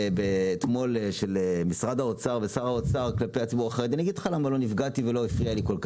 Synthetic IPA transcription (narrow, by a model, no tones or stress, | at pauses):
bet̪mo̞lʃelemisʁad̪haot͡saʁvesaʁao̞t͡saʁklapejat͡sibuʁaχeed̪anaɡid̥̪χalamalo̞nifɡat̪ivelo̞ifʁialiko̞lka